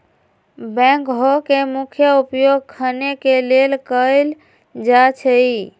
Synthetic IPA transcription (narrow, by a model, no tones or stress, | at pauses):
bɛ̃ŋkɦokemukʰjəupjoɡ̚kʰənekelelkəɪl | d͡ʒat͡ʃʰəi